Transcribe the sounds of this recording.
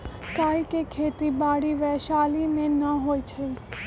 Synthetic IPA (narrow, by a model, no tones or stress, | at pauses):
kaːikekʰeːt̪ibaːɽiʋɛʃaːlimẽnəɦoːit͡ʃʰəi